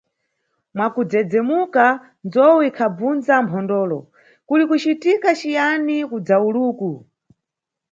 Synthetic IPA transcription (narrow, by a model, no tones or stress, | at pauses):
mwakud͡zɛd͡zɛmuka | nd͡zɔwikʰab͡vund͡zampʰɔndɔːlɔ̰ | kulikut͡ʃitikat͡ʃijanikud͡zauluːku